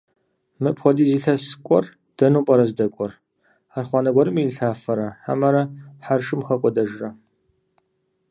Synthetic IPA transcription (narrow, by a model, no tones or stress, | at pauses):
mɨpχʷɔdiːziːɬɐsɨ̥kʷʼɔ̰r | d̥ɐnuːpʼɐɾɐzdɐkʷʼɔr | aːrχʷɑːnɐɡʷɔɾɨmiɬaːfɐɾɐħa̰mɐɾɐħarʃʼɨmxɐkʷʼɔdɐʒrɐ